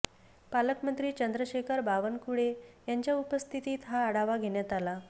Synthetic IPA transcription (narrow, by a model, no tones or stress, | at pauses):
paləkmənt̪ɾiːt͡ɕənd̪ɾəɕekʰəɾbaʋənkuɽejaɲt͡ɕjaupəst̪ʰit̪iːt̪ɦaːɽaʋaɡʱeɳjat̪ala